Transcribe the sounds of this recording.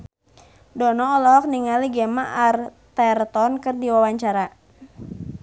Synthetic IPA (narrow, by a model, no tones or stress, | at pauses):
dɔnɔːlɔk̚niŋaliɡɛmaʔart̪ɛrt̪ɔnkɨrdiwawaɲt͡ʃaɾa